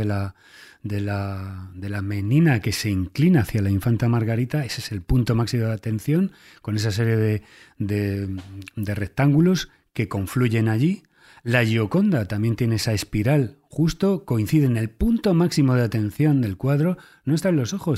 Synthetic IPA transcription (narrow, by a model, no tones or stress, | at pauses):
ela | d̪e̞lad̪e̞lame̞nĩnake̞se̞iŋklinaːθjalaiɱfant̪amaɾɣaɾit̪ae̞sese̞lpunt̪o̞maksimoðat̪ẽ̞nθjo̞ŋ | ko̞ne̞sas̬e̞ɾje̞ðe̞ | d̪e̞ | d̪e̞re̞k̚t̪aŋɡulos | ke̞kõ̞ɱfluʝe̞naʝi | laʝo̞ko̞nd̪at̪ambje̞nt̪je̞ne̞esaespiɾal | xust̪o̞ko̞in̟θiðe̞ne̞lpunt̪o̞maksimo̞ð̞eat̪ẽ̞nθjo̞nd̪e̞lkwaðɾo̞ | no̞e̞st̪aenloso̞xo̞s